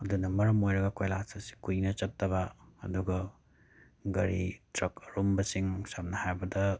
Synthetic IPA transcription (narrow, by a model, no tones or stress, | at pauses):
ɐdunɐmɐɾɐmojɾɐɡɐkojlasɐsi̥kujnɐt͡ʃɐtːɐbɐɐduɡɐ | ɡɐɾḭtɾɐkɐɾumbɐsiŋsamnɐhajbɐdɐ